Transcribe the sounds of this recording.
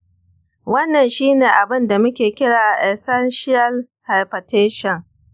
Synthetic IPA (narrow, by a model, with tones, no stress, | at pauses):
wɐ˦nːɐ˨nʃiː˦neː˨ʔa˨bɪ˦nda˨mʊ˦kʲeː˨kʲɪ˦ɽaː˨a˨ʔɛ˨sɐ˦nʃɪ˦ɐ˦l | ha˨jpɐ˨teː˦ʃɔ˨ŋ